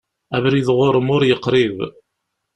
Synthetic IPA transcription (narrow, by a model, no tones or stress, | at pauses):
ævɾiðʁʊɾəmʊɾjəqːɾɪv